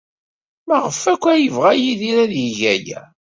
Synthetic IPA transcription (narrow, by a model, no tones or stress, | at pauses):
mæʁəfækʷːæjəvʁæjiðiɾæðjiʝæjæ̰